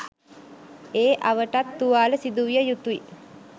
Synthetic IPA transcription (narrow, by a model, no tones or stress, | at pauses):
eːʔaʋəʈat̪ːuʋaːləsid̪uʋijəjut̪uḭ